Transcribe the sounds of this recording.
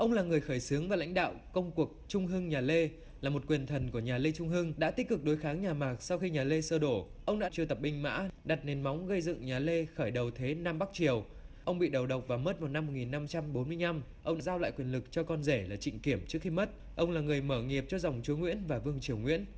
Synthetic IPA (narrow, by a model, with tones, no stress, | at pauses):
ʔə˧wŋ͡mlaː˨˩ŋɨ˨˩əjxəː˧˩jsɨ˨˦əŋvaː˨˩la̰˧˥jŋ̟ɗa̰ː˧˨wkə˧wŋ͡mku˨˩ək̚t͡ɕʊ˧ŋ͡mɦɨ˧ŋɲaː˨˩le˧ | laː˨˩mo˨˩t̚kwi˨˩ənt̪ʰə˨˩nku˧˩əɲaː˨˩le˧t͡ɕʊ˧ŋ͡mɦɨ˧ŋɗa̰ː˧˥t̪i˦˥k̚kɨ˨˩k̚ɗo˨˦jxaː˨˦ŋɲaː˨˩maː˨˩k̚sa˧wxi˧ɲaː˨˩le˧səː˧ɗo˧˩ʔə˧wŋ͡mɗa̰˧˥t͡ɕi˧˩ət̪ə˨˩p̚ɓï˧ŋ̟ma̰ː˧˥ɗa˨˩t̚ne˨˩nma˨˦wŋ͡mɣə˧jzɨ̰˧˨ŋɲaː˨˩le˧xəː˧˩jɗə˨˩wt̪ʰe˨˦naː˧mɓa˦˥k̚t͡ɕi˨˩əw | ʔə˧wŋ͡mɓḭ˧˨ɗə˨˩wɗə˨˩wk͡p̚vaː˨˩wmə˦˥t̚vaː˨˩wna˧mː˨˩t̚ŋi˨˩nːa˧mt͡ɕa˧mɓo˨˦nmɨ˧əjna˧m | ʔə˧wŋ͡mɗaː˧zaː˧wla̰ː˧˨jkwi˨˩ənlɨ˨˩k̚t͡ɕɔ˧kɔ˧nze˧˩laː˨˩t͡ɕḭ˧˨ŋ̟ki˧˩əmt͡ɕɨ˦˥ək̚xi˧mə˦˥t̚ | ʔə˧wŋ͡mlaː˨˩ŋɨ˨˩əjməː˧˩ŋi˨˩əp̚t͡ɕɔ˧za˨˩wŋ͡mt͡ɕu˨˦ŋwḭ˧˥ənvaː˨˩vɨ˧əŋt͡ɕi˨˩əwŋwḭ˧˥ən